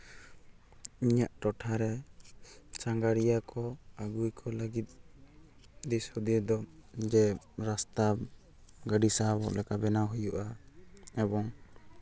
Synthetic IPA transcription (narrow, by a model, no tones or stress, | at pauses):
iɲaʔʈɔʈʰaɾɛ | t͡ʃaŋɡaɽijakɔaɡujkʰɔləɡit̪̚ | d̪ishud̪ijəd̪ɔd͡ʒɛ | ɾast̪ab | ɡaɖisabɔ̰ʔlɛkabɛnaɦujuʔa | ɛbɔŋ